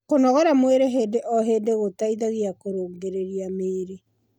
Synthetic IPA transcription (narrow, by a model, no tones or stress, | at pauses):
konɔɣɔɾamweɾeɦeːdeʔɔɦedeɣotaiðaɣiakoɾoːŋɡeɾeɾiameːɾe